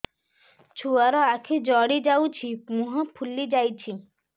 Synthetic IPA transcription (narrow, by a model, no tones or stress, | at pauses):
t͡ɕʰuaɾɔakʰid͡ʑɔɽid͡ʑawt͡ɕʰipmuɦopʰulːid͡ʑajt͡ɕʰi